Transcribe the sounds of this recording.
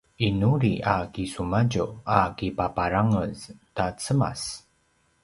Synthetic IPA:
inuɾiʔakisumaɟuakipapaɾaŋəztat͡səma̰s

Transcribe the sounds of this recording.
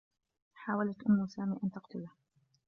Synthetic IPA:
ħaːwalat̪ʔʊmːʊsaːmiːʔant̪ɑqt̪ʊlah

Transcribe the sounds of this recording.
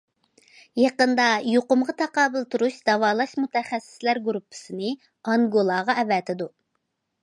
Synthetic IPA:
jɑqənd̪ɑjoqʊmʁɑt̪ʰɑqɑːbɨlˠt̪ʰuɾuʃd̪̥ɑwɑːlˠɑʃmut̪ʰɛχæsːɪ̥slæɾɡuɾupʰːɨ̥sɨnɨ | ɑŋɡolˠɑːʁɑɛvɛt̪ʰɪd̪u

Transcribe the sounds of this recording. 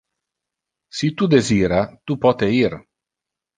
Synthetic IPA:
sit̪ud̪eziːɾat̪upɔt̪eir

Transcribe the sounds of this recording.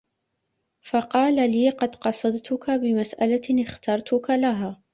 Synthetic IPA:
fɑqɑːlaliːqɑd̪qɑsˤɑd̪t̪ʊkʰabɪmasʔalaɪxt̪ɑɾˤt̪ʰʊkalaɦaː

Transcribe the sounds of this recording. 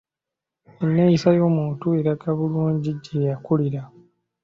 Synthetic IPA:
enːejisajoːmuːtue̞ɾakaβuluːɲɟiɟejakuliɾa

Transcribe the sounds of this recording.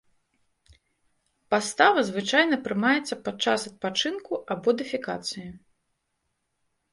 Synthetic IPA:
past̪avɐzvɨt͡ʂajnɐpɾɨmajɛt̪sːɐpat͡ʂːasɐt̪̚pat͡ʂɨnkuabɔd̪ɨfʲika̰t̪sɨji

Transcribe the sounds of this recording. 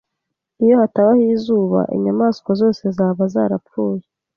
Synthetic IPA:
ijo̞hataβahiːzuːβa̰ʔḭɲamaːskozo̞ːse̞zaːβaza̰ːɾapfuːje

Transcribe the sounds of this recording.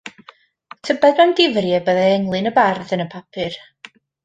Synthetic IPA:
tʰəbɛðmanɡɪvrjɛbəðɛɛŋlˠɨnəbarðənəpʰapʰɨr

